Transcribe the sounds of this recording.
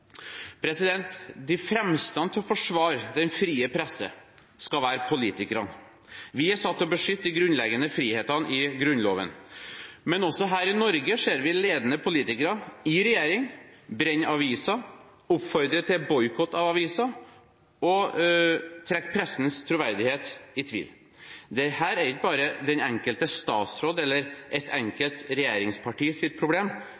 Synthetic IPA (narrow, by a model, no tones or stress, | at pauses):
pʰɾɛsɪd̪ɛnt̪d̪ɪfɾɛmst̪ɑnt̪ʰɪlɔfɔʂʋɑːɾd̪ɛnfɾiːəpʰɾɛsːə̰ | skɑʋæːɾpʰʊliːt̪ɪkəɾɑ̰n | ʋɪæʂɑt̪ːɔbəʂʏt̪ːəɡɾʉnlɛɡənəfɾiːheːt̪ɑnʔɪɡɾʉnlo̰ːʋə̰n | mɛnɔsːɔɦæːɾɪnɔɾɡəʂeːɾʋɪleːd̪ənəpʰʊliːt̪ɪkəɾɑɪɾɛjeːɾɪŋbɾɛɲːɑʋiːsɑ | ʊpfɔɾd̪ɾət̪ʰɪbɔʏkʰɔt̪ːɑʋɑʋiːsɑ | ɔ | t̪ʰɾɛkːpʰɾɛsːnst̪ʰɾʊʋæɾd̪ɪheːt̪ɪt̪ʰʋḭːl | d̪ɛhæːɾæɾɪk̚bɑːɾəd̪ɛnɛŋkəlt̪əst̪ɑ̰ːt̪sɾoːd̪ɛlːəɾʔɛt̪ʰɛŋkəlt̪ɾɛjeːɾɪŋspʰɑʈiːsɪt̪̚pʰɾʊbleːm